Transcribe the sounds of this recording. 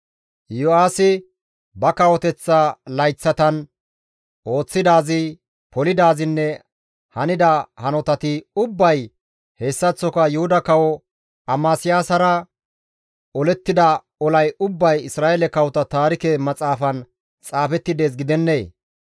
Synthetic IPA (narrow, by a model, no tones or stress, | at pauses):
jɔaːsɪ | bɐkɐwɔt̪ɛt͡sːalɐjt͡sːɐt̪ɐn | ʔo̞ːt͡sːɪd̪aːzɪ | pɔlɪd̪aːzɪnːɛ | hɐnɪd̪ɐhɐnɔt̪ɐt̪ɪʊbːɐj | heːsːɐt͡sːɔkɐjʊhʊd̪ɐkɐwɔ | ʔɐmaːsɪjaːsɐɾɐ | ʔɔlɛt̪ːɪd̪ɐ | ɔlɐjʊbːɐjɪsɾaːʔeɛlɛkɐwɔt̪ɐt̪aːɾɪkɛmɐt͡sʼaːfɐn | t͡sʼaːfɛt̪ːɪd̪e̞ːs̬ɡɪd̪ɛnːe̞ː